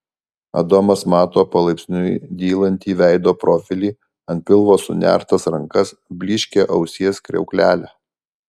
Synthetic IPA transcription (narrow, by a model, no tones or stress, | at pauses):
ɐ̰d̪oːmɐsmɑːt̪oːpɐlˠɐɪpʲsʲnʲʊjd̪ʲiːlˠɐnʲt̪ʲiːʋʲæˑɪd̪oːpɾɔfʲɪlʲiː | ɐnt̪̚ʲpʲɪlˠʋoːsʊnʲæ̰ˑɾt̪ɐsɾɐŋkɐs | bʲlʲɪːʃʲkʲeʔɐʊsʲiɛskɾʲɛ̰ʊklʲæːlʲæ